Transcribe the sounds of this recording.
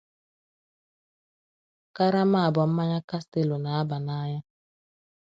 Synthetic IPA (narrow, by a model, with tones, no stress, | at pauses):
ka˦ɾa˦ma˦a˨bɔ˨m̩˦ma˦ɲa˦ka˦ste˨lo˨na˨a˦ba˨na˦ɲa˦